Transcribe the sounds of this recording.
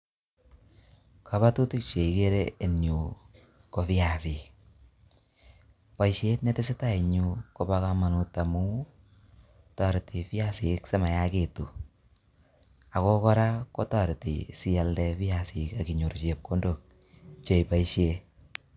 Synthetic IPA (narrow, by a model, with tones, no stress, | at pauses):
ka˨βa˦tu˦ti˦k̚t͡ʃe˨i˨ke˦ɾee˨nju˨ | ko˨fi˦a˨si˨k | pa˨jʃe˦tnɛ˦tɪ˦s̬ɪ˦ta˦i˨ɲu˧ko˦ba˦ka˦ma˨nu˨ta˨mu˦ | ta˨ɾti˨fɪ˦a˦sɪ˨kse˦ma˨ja˦ke˨tu˨ | a˨kɔ˦kɔ˦ɾa˦ko˦ta˦˨ɾtḭ˨si˦a˨ldɛ˧fi˦a˨si˨ka˨ki˨ɲu˨ɾt͡ʃe˨p̚ko˦ndo˨k̚ | t͡ʃe˨jpa˨iʃje˦